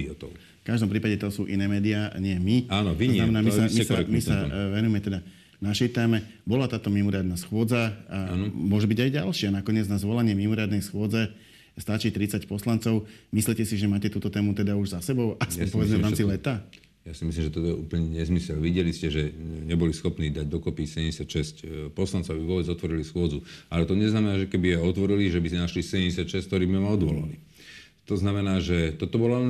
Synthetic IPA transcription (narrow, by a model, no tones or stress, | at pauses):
ɔt̪ɔ̰ʊ | fkaʒd̪ɔmpɾiːpaɟɛt̪ɔsuːʔinɛːmɛːd̪ia̰ɲɪɛmiaːnɔʋiɔznamɛnaːmisamisaɛmisaʋɛnujɛmɛt̪ɛd̪a | naʃɛjt̪ɛːmɛ | bɔlat̪aːt̪ɔmimɔɾɪad̪nasxʊɔd͡zaamʊɔʒɛbiɟajɟalʃɪanakɔɲɪɛd͡znazʋɔlaɲɪɛmimɔɾɪad̪nɛjsxʊɔd͡zɛ | st̪at͡ʃit̪ɾit͡sacpɔslant͡sɔʊmislicɛsiʒɛmaːcɛt̪uːt̪ɔt̪ɛːmut̪ɛd̪auʒzasɛbɔʊʔasɔpɔʋɛd͡zmɛvɾaːmt͡silɛt̪a | jasimislimʒɛt̪ɔt̪ɔɛṵːpl̩ɲɛɲɛzmisɛlʋiɟɛliscɛʒɛɲɛbɔlisxɔpniːd̪aɟd̪ɔkɔpisɛɟɛɲɟɛsjatʃɛscpɔslantt͡sɔʊabiʋʊɔbɛd͡zɔt̪ʋɔɾilisxʊɔd͡zualɛt̪ɔɲɛznamɛnaːʒɛkɛbijɛɔt̪ʋɔɾiliʒɛbisɛnaʃlisɛɟɛmɟɛsɪacʃɛskt̪ɔɾiːbimɛmaɔd̪ʋɔla̰li | t̪ɔznamɛnaːʒɛt̪ɔt̪ɔbɔla